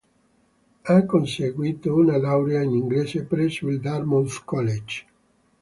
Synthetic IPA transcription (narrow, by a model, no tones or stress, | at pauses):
akːonseɡwiːt̪ounalawɾeainiŋɡleːsepɾeswild̪armonskɔled͡ʒ